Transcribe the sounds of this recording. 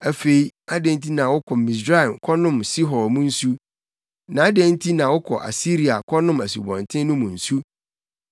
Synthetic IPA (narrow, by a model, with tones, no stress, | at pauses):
æ˨fe˨i˦a˦dɛ̃˦n˦tʰi˦nã˨wʊ˦kʰɔ˨mĩ˨s̬ɾa˦˨mkʰɔ˦nʊ̃˦msi˦ɦɔ˨mũ˦n̩˦su˦ | nã˨a˦dɛ̃˦n˦tʰi˦nã˨wʊ˦kʰɔ̰˨ʔa̰˨si˦ɾi˨a˨kʰɔ˦nʊ̃˦mæ˨s̬ṵ˨bɔ̰̃˨ntʰɪ̃˦n˦nʊ̃˦mũ˨n̩˨su˦